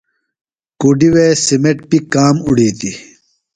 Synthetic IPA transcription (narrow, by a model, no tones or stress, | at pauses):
kuːɖiweːsimeʈ̚pikaːmuɽiːt̪i